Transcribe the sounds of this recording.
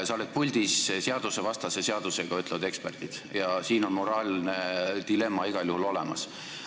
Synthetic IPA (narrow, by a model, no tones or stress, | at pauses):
sɑoled̪̚pulʲd̪̥isse̞ɑd̪̥use̞vɑst̪ɑseseɑd̪̥useɡ̥ɑyt̪ːˑlevɑd̪e̞ksperd̪̥id̪̥jɑsiːno̞nmo̞ɾɑːlned̪ile̞mːɑiɡ̥ɑljuhulo̞lɛ̰mɑ̰s